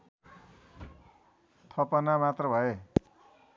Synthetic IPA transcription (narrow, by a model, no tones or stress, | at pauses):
t̪ʰʌpʌnamat̪rʌbʱʌe